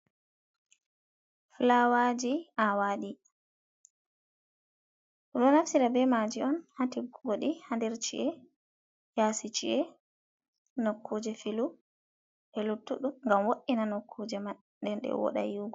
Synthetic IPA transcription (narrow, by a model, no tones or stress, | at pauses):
flawad͡ʒiʔawaɗi | ɔɗɔnafsiɾabɛmad͡ʒiɔnhatiɡoɗihandɛɾt͡ʃḭʔɛ | jaːsit͡ʃḭʔɛ | nokʰːud͡ʒɛfilu | ʔɛlutːuɗumŋɡamwoɗːinanokʰːuːd͡ʒɛma | ɗɛnɗɛ̰wɔ̰ɗa̰juɡɔ